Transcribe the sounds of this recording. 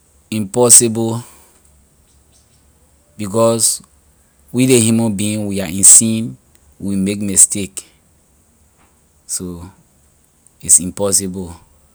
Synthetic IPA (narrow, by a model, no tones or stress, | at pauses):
ĩmpɔsibɔ | bikɔs | widehumɔ̃nbĩnwiaĩnsĩn | wimekmistek | so | itsĩmpɔsibɔ